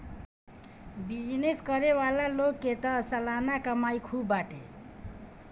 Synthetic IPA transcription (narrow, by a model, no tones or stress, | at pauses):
bid͡ʒneskʌɾewalalokːet̪ʌsəlanakəmajkʰubaʈḛ